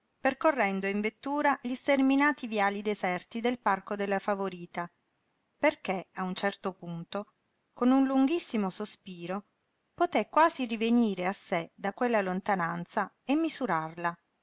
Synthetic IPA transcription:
perkorːɛnd̪oiɱvet̪ːuːɾaʎist̪erminaːt̪ivjaːlid̪ezɛrt̪id̪elparkod̪elːafavoɾiːt̪a | perkeaunt͡ʃɛrt̪opunt̪o | konunluŋɡisːimosospiːɾo | pot̪ekːwaːziriveniːɾeasːed̪akwelːalont̪anant̪sa | emːizuɾarla

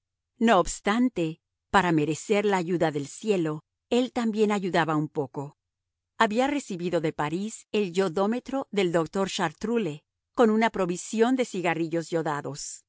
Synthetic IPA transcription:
no̞ːbst̪ant̪e̞ | paɾame̞ɾe̞se̞ɾlaːʝuðaðe̞lsje̞lo̞ | e̞lt̪ambje̞naʝuðaβaumpo̞ko̞ | aβiare̞siβiðo̞ðe̞paɾise̞lʝo̞ðo̞me̞t̪ɾo̞ðe̞ld̪o̞kt̪o̞ɾʃaɾt̪ɾule̞ | ko̞nunapɾo̞βisjo̞nd̪e̞siɣariʝo̞zʝo̞ðaðo̞s

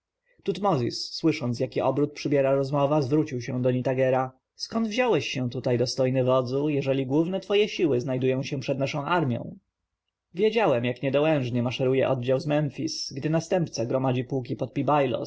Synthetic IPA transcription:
t̪ut̪mɔzʲḭsːwɘʂɔnt̪sjakʲiʔɔbɾut̪̚pʂɘbʲjɛɾaɾɔzmɔvazvɾut͡ɕiwɕɛ̃d̪ɔɲit̪aɡɛɾa | skɔnd̪vʑawɛɕːɛ̃t̪ut̪ajd̪ɔst̪ɔjnɘvɔd̪zujɛʐɛlʲiɡwuvnɛt̪fɔjɛɕiwɘznajd̪ujɔ̃w̃ɕɛpʂɛd̪naʂɔ̃w̃ʔaɾmʲjɔ̰̃w̃ | vʲjed͡ʑawɛmjakɲɛd̪ɔwɛ̃w̃ʐɲɛmaʂɛɾujɛ̰ʔɔd̪̚d͡ʑawzmɛnfʲisɡd̪ɘnast̪ɛmpt̪saɡɾɔmad͡ʑipuwk̬ʲipɔt̪̚pʲibajlɔ̰

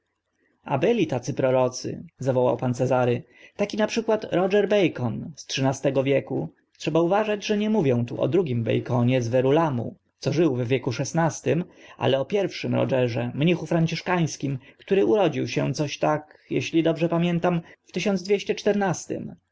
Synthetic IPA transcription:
a̰bɘlʲit̪at̪sɘpɾɔɾɔt̪sɘ̰zavɔwa̰wpant̪sɛzaɾɘ | t̪akʲinapʂɘkwat̪ɾɔʐɛɾbɛjkɔnstʂɘnast̪ɛɡɔvʲjɛku | tʂɛbauvaʐad͡ʑʐɛɲɛmuvʲjɔ̃w̃t̪uʔɔ̰d̪ɾuɡʲimbɛ̰jkɔɲɛzvɛɾulamṵ | t̪sɔʐɘwvːʲjɛkuʂɛsnast̪ɘmʔa̰lɛɔpʲjɛɾfʂɘmɾɔ̰d͡ʐɛʐɛmɲixufɾaɲt͡ɕiʂkaj̃skʲimkt̪uɾɘʔuɾɔd͡ʑiwɕɛ̃t̪sɔɕt̪akjɛɕlʲid̪ɔbʐɛpamʲjɛnt̪amft̪ɘɕɔnd̪zd̪vʲeɕt͡ɕɛt͡ʂt̪ɛɾnast̪ɘ̰m

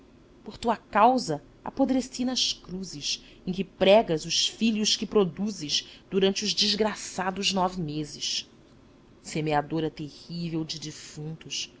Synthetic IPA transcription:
poχt̪uɐkawzɐ | a̰pod̪ɾesinɐʃkɾuzɪʃ | ẽkɪpɾɛɡɐzʊʃfiʎʊʃkɪpɾod̪uzɪʃd̪uɾɐ̃nt͡ʃɪʊʒd͡ʒizɡɾasad̪ʊznɔvɪmezɪʃ | semead̪oɾɐt̪ehivewd͡ʒɪd͡ʒifũnt̪uʃ

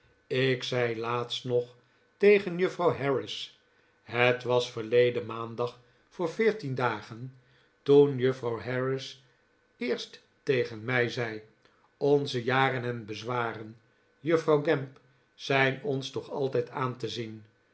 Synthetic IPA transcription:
ɪksɛjlaːtstnɔχ | tejχənjɵfrɑwɦɛɹɪs | ɦətʋɑsfəɹlejdənmaːndɑχ | fʊːɹvɪːɹtindaːχən | tunjøfrɑwɦɛɹɪs | ɪːɹstː | ejχənmɛjzɛj | ɔnzəjaːrənɦɛnbəzʋaːrən | jɵfrɑwɡɛmp | sɛjnɔnstɔχɑlˠtɛjtaːntəzin

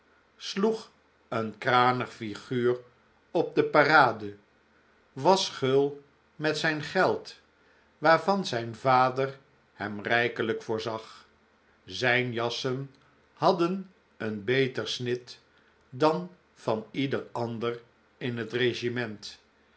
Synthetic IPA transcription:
sluχ | ənkraːnəχfiχyːr | ɔb̚dəparaːdə | ʋɑsχɵlˠ | mɛtsɛjnχɛlˠt | ʋaːɹvɑnzɛjnvaːdər | hɛmrɛjkələkfʊːɹzɑχ | zɛjnjɑsən | hɑdən | ənbejtəɹsnɪt | dɑn | v̥ɑnidəɹɑndər | ɪnɦətreʒimɛnt

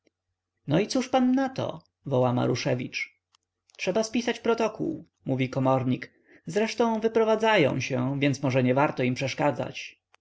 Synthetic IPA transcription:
nɔit̪suʂpanːat̪ɔ̰ | vɔwama̰ɾuʂɛvʲit͡ʂ | tʂɛbaspʲisat͡ɕpɾɔt̪ɔkṵw | muvʲikɔmɔɾɲik | zɾɛʂt̪ɔ̃w̃vɘpɾɔvad̪zajɔ̰̃w̃ɕɛvʲjɛnt̪smɔʐɛɲɛvaɾt̪ɔimpʂɛʂkad̪za̰t͡ɕ

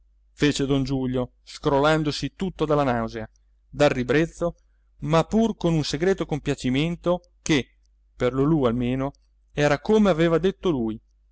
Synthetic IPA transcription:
feːt͡ʃed̪ond͡ʒuʎːo | skɾoland̪osit̪ut̪ːod̪alːanawzea | d̪arːibɾet̪sːo | mapːurkonunseɡɾeːt̪okompjat͡ʃiment̪o | ke | perlolualmeːno | ɛːɾakomeaveːvad̪et̪ːoluːj

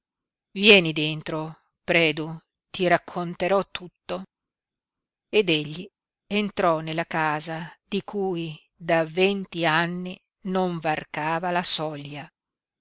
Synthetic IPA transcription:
vjɛːnid̪ent̪ɾo | pɾɛːd̪u | t̪iɾakʰːont̪eɾɔt̪ːut̪ːo | ed̪eʎːi | ent̪ɾɔnelːakaːzad̪̥ikʰuːj | d̪avent̪ianːi | noɱvarkaːvalasɔʎːa

